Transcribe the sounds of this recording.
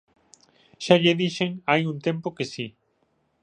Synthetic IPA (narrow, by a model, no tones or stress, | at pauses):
ʃaʎeðiʃeŋajunt̪ẽ̞mpokesi